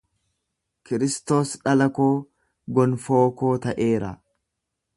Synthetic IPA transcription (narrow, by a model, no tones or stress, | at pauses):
kɪɾɪst̪o̞ːsᶑɐlɐkoː | ɡɔnfo̞ːko̞ːt̪ɐʔe̞ːɾa̰